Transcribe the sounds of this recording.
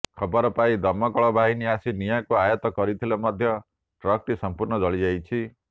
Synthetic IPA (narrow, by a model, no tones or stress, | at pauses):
kʰɔbɔɾɔpaid̪ɔmɔkɔɭɔbʱaɦiniasinijakuajɔt̪ɔkɔɾit̪ʰilamɔd̪ʱjɔ | ʈɾɔk̚ʈisɔmpuɾnɔd͡ʒɔɭid͡ʒajt͡ʃʰi